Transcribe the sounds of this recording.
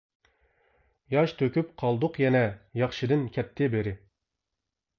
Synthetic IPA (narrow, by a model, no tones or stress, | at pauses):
jɑʃt̪ʰøkʲyp̚qʰɑlˠd̪ʊqjɛnɛjɑχʃɨd̪ɨnkʲʰɛt̪ʰːɪbeɾɪ